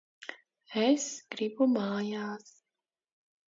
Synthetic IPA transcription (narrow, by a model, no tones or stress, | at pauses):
ɛskɾipomaːjas